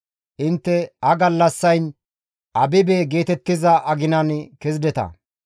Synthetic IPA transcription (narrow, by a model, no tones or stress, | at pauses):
ʔɪnt̪ːɛhɐɡɐlːɐsːɐjn | ʔɐbɪbeːɡe̞ːt̪ɛt̪ːɪzɐʔɐɡɪnɐnkɛzd̪ɛt̪ɐ̰